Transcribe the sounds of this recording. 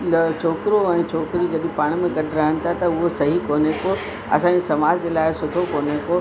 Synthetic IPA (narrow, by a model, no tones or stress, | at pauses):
t͡ɕʰoːkɪɾoɛ̃ːt͡ɕʰoːkɪɾiɡɐɗ̪ipaːɽ̃mẽɡɐɖʱɾɐɦəñɪ̆t̪ʰat̪ɐʊɦosɐɦikoːneko | ɐ̰sãːɲesɐmaːd͡ʑd͡ʑeːlaːɪsʊʈʰokoːneko